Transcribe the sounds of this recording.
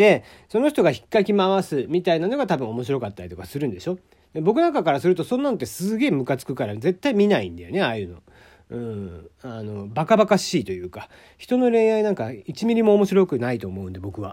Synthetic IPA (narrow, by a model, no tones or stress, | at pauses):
d̪̥e̞ | so̞no̞çi̥t̪o̞ɡaçi̥kːakʲimaβasɨmʲit̪ainano̞ɡat̪abɯ̟̃o̞mo̞ɕiɾo̞kat̪ːaɾʲit̪o̞kasɨɾɯ̟̃nd̪e̞̰ɕo̞ | d̪ebo̞kɯ̟nãŋkakaɾasɨɾɯ̟t̪o̞sõ̞nːano̞t̪ːe̞sɨɡe̞ːmɯ̟kat͡sɨ̥kɯ̟kaɾad͡ze̞t̪ːaimʲinaḭ̃nd̪ajone̞ajɯ̟no̞̰ | ɯ̃ːano̞bakabakaɕiːt̪o̞jɯ̟ːka | çi̥t̪o̞no̞ɾẽ̞ɰ̃ainãŋkait͡ɕimʲiɾʲimo̞ːmo̞ɕiɾo̞kɯ̟nait̪o̞ːmo̞ɯ̟nd̪ebo̞kɯ̟βa